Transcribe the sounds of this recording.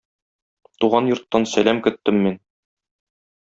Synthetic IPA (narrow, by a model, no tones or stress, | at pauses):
t̪uʁɑnjŏɾt̪ːɑnsælæmkɵ̆t̪ːɘmːin